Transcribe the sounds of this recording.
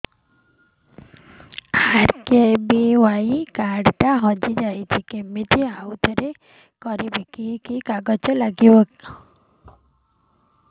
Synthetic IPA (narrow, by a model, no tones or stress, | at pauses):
haɾkebiwajkaɖʈaɦɔd͡ʒid͡ʒajt͡ʃʰikemit̪ʰiawt̪ʰɔɾe | kɔɾibekikikaɡɔt͡ʃɔlaɡibɔk